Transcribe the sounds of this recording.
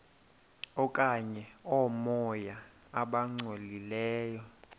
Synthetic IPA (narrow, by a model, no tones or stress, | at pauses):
ɔkʼaɲɛɔmɔja | aɓaŋ͡ǀwelilɛːjɔ